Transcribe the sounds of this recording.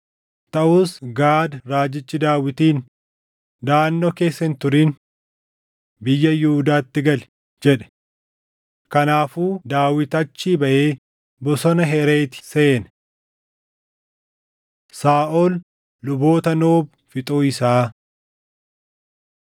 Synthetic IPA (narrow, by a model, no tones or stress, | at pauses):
t̪ɐʔuːsɡaːd̪ɾaːd͡ʒɪt͡ʃːɪd̪aːwɪt̪iːn | d̪aːnːoːke̞ːsːɐhɪnt̪ʊɾiːn | bɪjːɐjʊhːd̪aːt̪ːɪɡɐl | d͡ʒɛᶑɛ̥ | kɐnaːfuːd̪aːwɪt̪ɐt͡ʃːiːbɐʔeː | bɔsɔnɐɦɛɾeːt̪ɪ̥se̞ːnɐ | saːʔoːlː | ʊbo̞ːt̪ɐnoːb | fɪt̪ʼuːɪsaː